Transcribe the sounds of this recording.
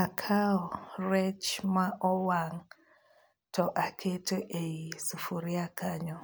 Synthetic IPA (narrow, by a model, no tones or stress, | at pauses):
akʰaɔrɛt͡ʃmaʔɔwaŋ | tʰɔʔakʰetɔʔeisufuɾiakaɲɔ